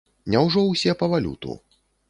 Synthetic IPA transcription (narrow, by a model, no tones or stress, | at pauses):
nʲɛwʐɔwsʲɛpɐvalʲṵt̪ṵ